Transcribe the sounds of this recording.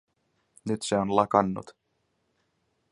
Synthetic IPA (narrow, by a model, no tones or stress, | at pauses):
nyt̪seonlɑkɑnːṵt̪